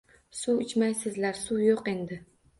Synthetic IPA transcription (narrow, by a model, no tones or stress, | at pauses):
suɪt͡ʃmajsɪzlaɾsujoqe̞nd̪ɪ